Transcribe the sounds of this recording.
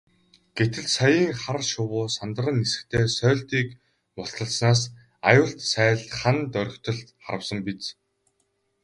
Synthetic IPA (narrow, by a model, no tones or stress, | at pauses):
ɡ̥et̪ɘ̆ɮsajiːŋχarʃʊwʊːsant̪ə̆rə̆nːesɘ̥̆kt̪ʰeːsœːɮt̪iːk | mʊɬt̪ə̆ɮsnaːs | a̰jʊːɬt̪sæːɮχant̪œɾ̆ʲkt̪ʰɞ̆ɮχa̰ɾə̆wsə̆mpit͡s